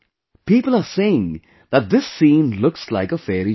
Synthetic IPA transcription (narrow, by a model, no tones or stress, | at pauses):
piːpəl̩ˠəseɪɪ̃ŋ | ðət̪̚ðɪsːĩːnlʊkslaɪkəfɛɾi